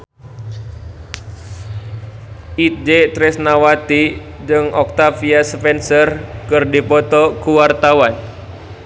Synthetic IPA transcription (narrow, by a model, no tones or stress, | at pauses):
ʔit̪̚d͡ʒet̪ɾɛsnawat̪i | d͡ʒɨŋʔɔk̚t̪afiaspɛnsərkɨrdipɔt̪ɔkuwart̪awan